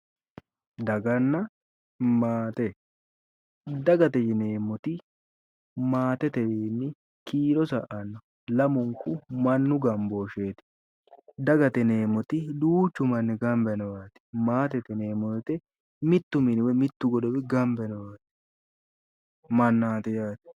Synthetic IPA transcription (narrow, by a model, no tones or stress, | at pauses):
d̪ɐɡɐnːɐ | maːt̪ɛ | d̪ɐɡɐt̪ɛjɪneːmːɔt̪ɪ | maːt̪ɛt̪ɛwenːɪ | kiːlɔsɐʔɐnːɔ | lɐmʊŋkʊmɐnːʊɡɐmboːʃeːt̪ɪ̥ | d̪ɐɡɐt̪ɛne̞ːmɔt̪ɪd̪uːt͡ʃːʊmɐnːɪɡɐmbɛnɔwaːt̪ɪ̥maːt̪ɛt̪ɛne̞ːmɔɛt̪ɛ | mɪt̪ːʊmɪnɪwɛmɪt̪ːʊɡɔd̪ɔbɪɡɐmbɛnɔwaːt̪ɪ̥ | mɐnːaːt̪ɛjaːt̪ɪ̥